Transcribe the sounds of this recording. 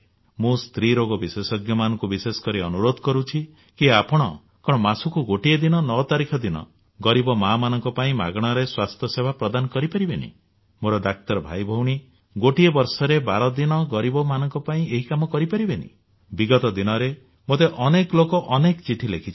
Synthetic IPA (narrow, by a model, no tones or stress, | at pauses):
mũst̪ɾiɾoɡɔbisesɔɡjɔmanɔŋkubisesɔ̥kɔɾiɔnuɾod̪ʱɔkɔɾut͡ʃʰi | kiapɔɽ̃ɔ | kɔɽ̃ɔmasukuɡoʈied̪inɔnɔt̪aɾikʰɔd̪inɔ̰ | ɡɔɾibɔmamanɔŋkɔpaĩma̰ɡɽ̃ɔɾeswast̪ʰjɔsebʱapɾɔd̪anɔkɔɾipaɾibenḭ | moɾɔd̪ak̚t̪ɔɾɔbʱajbʱɔwɽ̃i | ɡoʈiebɔɾsɔɾebaɾɔd̪inɔɡɔɾibɔmanɔŋkɔpaĩeɦikamɔkɔɾipaɾibenḭ | biɡɔt̪ɔd̪inɔɾe | mot̪eʔɔneklokɔʔɔnekɔt͡ʃiʈʰilekʰit͡ʃʰi̥